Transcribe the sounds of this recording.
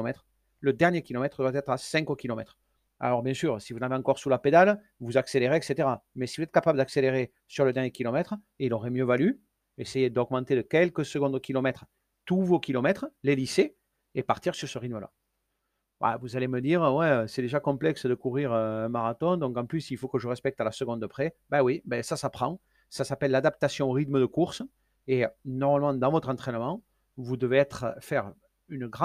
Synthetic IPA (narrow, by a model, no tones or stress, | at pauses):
mɛt̪χə | ləd̪ɛʁnjekʲilɔmɛt̪χəd̪wat̪ɛt̪χasɛ̃ŋkokʲilɔmɛt̪χə | a̰lɔʁbjɛ̃syʁsivuzɑnaveɑ̃kɔʁsulaped̪al | vuzakseleʁeɛkset̪eʁamɛsivuzɛt̪əkapabləd̪akseleʁe | syʁləd̪ɛʁnjekʲilɔmɛt̪χə | iloʁɛmjøvaly | ɛsejed̪ɔɡmɑ̃t̪ed̪əkʲɛlkəsəɡɔ̃d̪kʲilɔmɛt̪χə | t̪uvokʲilɔmɛt̪χəlelise | epaʁt̪iʁsyʁsəʁit̪məla̰ | va̰a̰vuzaleməd̪iʁəwɛøsɛd̪eʒakɔ̃mplɛksəd̪əkuʁiʁøɛ̃maʁat̪ɔ̃d̪ɔ̃ŋkɑ̃plysilfokəʒəʁɛspɛk̚t̪alasəɡɔ̃d̪əpχebɛwibɛsasapχɑ̃ | sasapɛlːad̪ap̚t̪asjɔ̃ʁit̪məd̪əkuʁs | enɔʁmalmɑ̃d̪ɑ̃vɔt̪χɑ̃nt̪χɛnəmɑ̃ | vud̪əveɛt̪χəfɛʁ | ynəɡʁɑ̃